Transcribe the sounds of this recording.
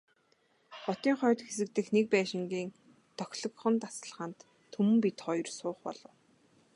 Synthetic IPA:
χɔt̪iːŋχœːt̪xesɘ̆k̚t̪ɘ̆xnek̚pæːʃɪ̆ŋɡʲiːŋ | t̪ʰœxʲɮɞ̆kχə̆nt̪asə̆ɮʁaːnt̪ʰː | umɘ̆mpit̪χɔjɞ̆rsʊːχpɔ̰ɮɞ̆w

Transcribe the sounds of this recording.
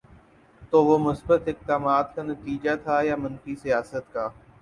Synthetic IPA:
t̪oːʋoːmʊsbət̪ɪk̚d̪aːmaːt̪kaːnɐt̪iːd͡ʒat̪ʰaːjaːmɐnfiːsijaːsət̪kaː

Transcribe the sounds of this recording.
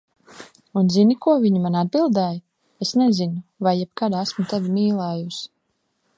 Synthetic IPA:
unzinikuɔviɲimanad̪̚bilˠd̪ɛj | esnɛzinuvajːɛb̚kad̪æsmut̪ɛvimiːlˠaːjus

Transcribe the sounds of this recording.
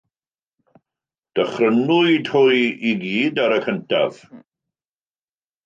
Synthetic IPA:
d̥əχrənʊɨdʰʊjiɡiːdaɾəkʰəntʰa̰v̥

